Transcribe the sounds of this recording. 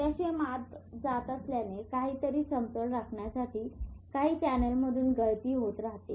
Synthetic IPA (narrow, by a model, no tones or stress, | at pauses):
t̪jaɕemat̪d͡zat̪əsljanekaɦiːt̪əɾiːsəmt̪əɽɾakʰɳjasaʈʰiːkaɦiːt͡ɕænəlməd̪ʱuːnɡəɭt̪iːɦot̪ɾaɦt̪e